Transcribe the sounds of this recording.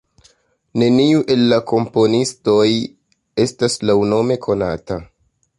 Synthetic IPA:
ne̞niuʔe̞lːako̞mpo̞nisto̞j | e̞staslawno̞me̞kʰo̞na̰ta

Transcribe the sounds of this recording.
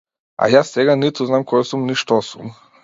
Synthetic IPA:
a̰jaːseɡanit̪uznamkojesumniʃt̪osum

